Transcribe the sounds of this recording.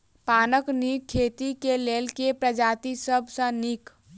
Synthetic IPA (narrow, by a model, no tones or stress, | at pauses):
paːnəknikkʰːeːt̪ikeleːlkepɾəd͡ʒaːt̪isəbʱsə̃nik